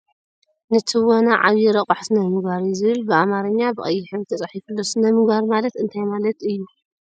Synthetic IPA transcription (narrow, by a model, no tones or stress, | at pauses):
nɨt̪ʰiwonaʕa̰βjiɾɐqʼaħsɨnɐmɨɡaɾzɨβɨlbɨamaɾɐɲːabɨʔʼɐjːɪħɨβt̪ʰɐt͡sʼɐħifulːosɨnɐmɨɡaɾmalɐt̪ɨnt̪ʰajmalɐt̪ɨjːu